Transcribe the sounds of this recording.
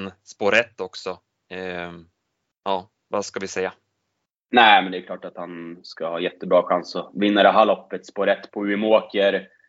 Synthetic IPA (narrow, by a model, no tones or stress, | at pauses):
nspoːɾɛt̪ːɔksɔ | ʔɑː | vaskavɪsɛjːa | næɪmɛnd̪ɛkʰlɑːʈat̪hanskahɑːjɛt̪ːəbɾɑːɧansɔvɪnːad̪ɛɦalɔpːət̪spoːɾɛt̪ːpʰɔʉ̟moːkəɾ